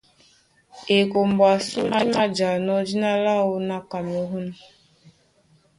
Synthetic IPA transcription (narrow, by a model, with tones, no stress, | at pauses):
e˨ko˨m̩˨ba˨su˦ma˦ma˦d͡ʒa˨nɔ˦d͡ʒi˦na˦la˦o˦na˦ka˨m˨o˨ɦu˦n˦